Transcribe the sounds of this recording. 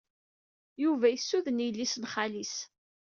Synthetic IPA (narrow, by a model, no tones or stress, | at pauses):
juvæjəsːuðənijəlːisnχalis